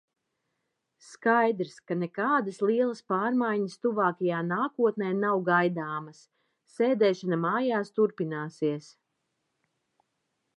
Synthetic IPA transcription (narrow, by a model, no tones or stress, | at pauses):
skajd̪ɾskanekaːd̪ɐslˠiɛlˠɐspaːɾmajɲəst̪uvaːkɐjaːnaːkuɔt̪nɛːnawɡajd̪aːmɐsː | eːd̪ɛːʃanamaːjaːst̪uɾpinaːsiɛs